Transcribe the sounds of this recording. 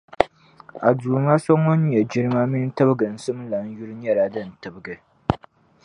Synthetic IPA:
ʔa˨duː˨maː˦sɔ˦ŋɔ˦n˦ɲɛ˨d͡ʒɪ˦ɾmaː˦mɪ˦n˦tɐ˦bɡɐ˨n̩˨˦sɨ˦m˦la˨n˦jʊ˦ɾɲɐ˦ɾaː˦dɐ˦n˨tɐ˨bɡɨ˨

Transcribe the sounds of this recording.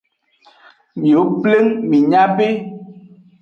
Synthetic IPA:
mjo˨˦ple˦ŋmi˨ɲa˦pe˦

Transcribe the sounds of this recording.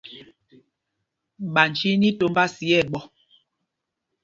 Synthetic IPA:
ɓa˨n˨t͡ʃi˦ni˦to˦mba˦si˨˦ɛ˦˨ɓɔ˦˨

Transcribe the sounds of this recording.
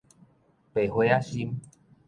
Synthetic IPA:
pe˨˩hwe˧˦a˦ɕi˦m

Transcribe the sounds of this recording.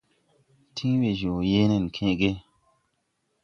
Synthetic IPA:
tʰĩ˦ŋ˦we˨d͡ʒo˨je˦ne˨n˨kʰẽ˦ʔɡe˦

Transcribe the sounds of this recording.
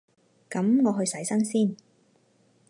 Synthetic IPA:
kɐ˨˥mŋɔː˨˧ɦɵ˧ɥsɐ˨˥jsɐ˥ŋsiː˥˩n

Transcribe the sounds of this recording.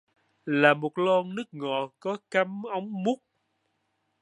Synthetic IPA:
laː˨˩mo˨˩t̚lɔ˧nnɨ˦˥ək̚ŋɔ˨kɔ˨˦ka˨˦mʔə˨˦wŋ͡mmu˦˥k͡p̚

